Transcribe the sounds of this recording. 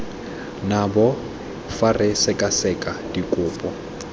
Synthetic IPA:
nabɔ | farɪsɪkʼasɛkʼadikʼʊːpʼɔ

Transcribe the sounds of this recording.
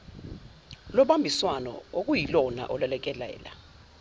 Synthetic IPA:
lɔɓambʱiswanɔ̰ok̬ʼujilɔna̰ʔɔlwɛlɛk̬ʼɛlɛ̰ːla̰

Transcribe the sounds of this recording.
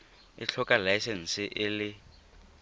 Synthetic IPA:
ɪ̰t͡ɬʰɔkʼalajsɛn̩sɪʔɪlɪ

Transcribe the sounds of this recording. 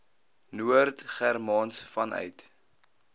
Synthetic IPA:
nuərtχærmɑːnsfɐnœ̰ɥt

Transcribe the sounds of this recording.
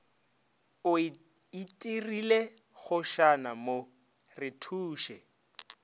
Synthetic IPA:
ʊ | itʼirile | ɣʊʃanamo | rɪtʰuːʃɛ

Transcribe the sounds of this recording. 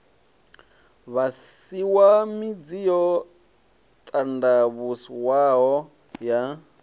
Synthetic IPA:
βas | iwamid͡zijɔ | t̪ʼandaβusiwaɦɔ | ja

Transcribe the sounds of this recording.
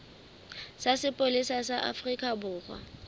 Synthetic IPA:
sasɪpʼolisasaʔa̰frikʼabʊːχwa̰

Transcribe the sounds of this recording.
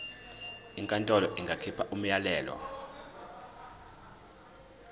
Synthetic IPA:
iŋkʼantʼɔlɔʔiŋɡʱakʰipʰaʔum̩jalɛːlɔ̰

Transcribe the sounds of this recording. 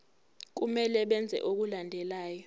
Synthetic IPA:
k̬umɛlɛɓɛnd͡zʱɛ̰ʔok̬ulandʱɛlaːjɔ

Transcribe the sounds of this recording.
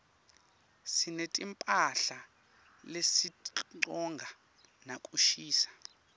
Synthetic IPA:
sinetʼimpʼaɬa | lesiǃɔŋɡʱa | nakʼuʃiːsḁ

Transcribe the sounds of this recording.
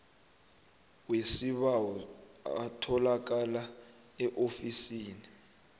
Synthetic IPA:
wesiɓawɔatʰɔlak̬ala | ɛʔofisiːni

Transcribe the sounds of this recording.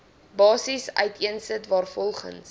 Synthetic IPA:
bɑːsisœ̰ɥtiənsətvɑːrfɔlˠχə̰ns

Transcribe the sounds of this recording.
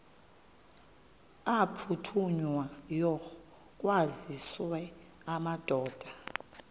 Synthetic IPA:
apʰutʰuɲwajɔ | k̬ʼwaziswɛ | amad̥ʱɔːd̥ʱa

